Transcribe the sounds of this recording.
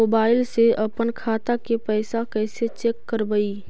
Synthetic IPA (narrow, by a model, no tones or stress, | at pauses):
oːbaːɪlseɐpənkʰaːt̪akepɛːsakɛːset͡ʃeːkːəɾbəi